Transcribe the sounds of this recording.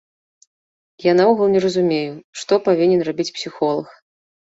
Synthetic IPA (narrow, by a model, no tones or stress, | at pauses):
janauɣɐlˠnʲɛrɐzumʲejuʂt̪ɔpavʲinʲɛnrabʲit͡sʲpsʲixɔlˠɐx